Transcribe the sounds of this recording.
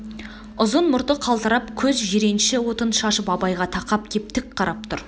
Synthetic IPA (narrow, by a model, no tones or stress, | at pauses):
ʊzənmʊɾt̪əqʰɑlˠt̪əɾɑpkʲʰɵzʒeɾe̞nʃɪwo̞t̪ənʃɑʃəpɑbɑjʁɑt̪ʰɑqɑp̚kʲʰe̞p̚t̪ɪk̚qʰɑɾʔɑp̚t̪ʰʊɾ